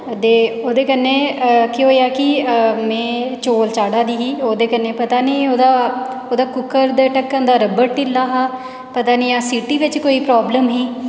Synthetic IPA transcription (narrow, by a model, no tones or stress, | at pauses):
d̪eːoːd̪eːkənːẽːkiɦoːjaːkɪmɛ̃ːt͡ʃoːlt͡ʃaːɽaːd̪iːɦiːoːd̪eːkənːeːpət̪aːniːoːd̪aː | oːd̪aːkʊkːəɾd̪eʈəkːə̃nd̪aːɾəbəɾʈɪlːaːɦaː | pət̪aːniːaːsiːʈiːʋɪt͡ʃkoːiːpɾaːbləmɦiː